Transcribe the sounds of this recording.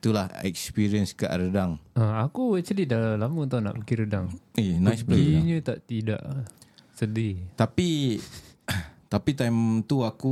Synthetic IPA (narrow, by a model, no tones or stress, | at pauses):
t̪ulahɛkspiɾiənska̰ʔɾədaŋəakuwat͡ʃədidalamut̪awna̰ʔbəkiɾədaŋinajsbleiɲət̪aʔt̪ida̰ʔsədit̪api | t̪apit̪ajmt̪uaku